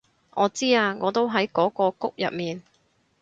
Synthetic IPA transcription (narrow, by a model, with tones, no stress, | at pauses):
ʔɔː˨˧˥t͡siː˥aː˧ŋɔː˨˧t̪o˥wɦɐ˨˥jkɔː˨˥kɔː˧kʊ˥k̚jɐ̰˨p̚miː˨n